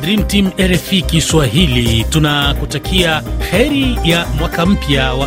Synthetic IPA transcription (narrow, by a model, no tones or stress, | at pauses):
dɾim̩timɛɾɛfikiswaɦilitunakutakʰiahɛɾijamwakam̩pjawa